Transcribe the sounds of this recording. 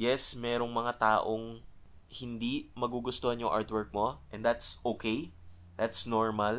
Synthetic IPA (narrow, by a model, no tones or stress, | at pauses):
jɛsmɛːɾoŋmɐŋat̪aːʔoŋ | hɪnd̪imɐɡuɡʊst̪ohɐnjʊŋʔa̰ɹt̪wɛɹk̚mo̞ʔɛnd̪at̪sʔoːkej | d̪at̪snoɹmɐl